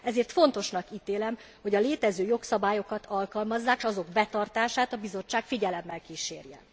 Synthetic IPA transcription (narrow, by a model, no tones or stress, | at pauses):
ɛzeːrt̪fo̞n̪t̪o̞ʃnɒkiːt̪eːlɛm | ho̞ɟɒleːt̪ɛzøːjo̞ksɒbaːjo̞kɒt̪ʰɒlkɒlmɒzːaːkʃɒzo̞ɡbɛt̪ɒrt̪aːʃaːt̪ɒbizo̞t͡ʃːaːkfiɟɛlɛmːɛlkiːʃeːrjɛ̰